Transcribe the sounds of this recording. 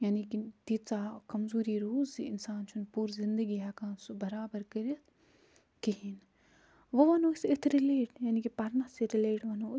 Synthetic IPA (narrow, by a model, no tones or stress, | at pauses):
jaːnikid̪it͡saːkɐmzuːɾiɾuːziɪnsaːnt͡ʃʰunpuːɾzɪ̃nd̪əɡiɦaːkãːnsubɐɾaːbəɾkɐɾijɐt̪ʰ | kiɦin | ʋoʋɐnoːsɪt̪ʰɾɪleːʈjaːnikipɐɾnaseɾɪleːʈʋɐno